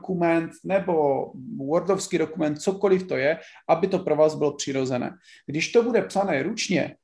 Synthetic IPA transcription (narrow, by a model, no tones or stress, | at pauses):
kumɛnt̪nɛbo̞woɾdofskiːdo̞kumɛnt̪̚t͡soko̞lɪft̪o̞jɛʔabɪt̪o̞pɾovaːzbɪlopr̝̥ɪɾo̞zɛnɛ̰ːɡ̥dɪʃt̪obudɛpsanɛːɾut͡ʃɲɛ̰